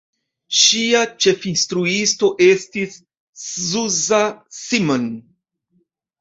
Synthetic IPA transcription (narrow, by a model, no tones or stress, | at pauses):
ʃiat͡ʃe̞finstɾuisto̞ʔe̞stis | zuzasimon